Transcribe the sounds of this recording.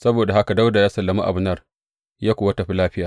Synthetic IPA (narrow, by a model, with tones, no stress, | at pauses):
sɐ˦boː˨da˨ha˦ka˨da˦wda˨jaː˦sɐ˨lːɐ˨mu˦ʔa̰˨bʊ˦nɐ˦˨r | jaː˦kʷoː˨wa˦tɐ˨ɸi˦laː˦ɸɪ˦jaː˨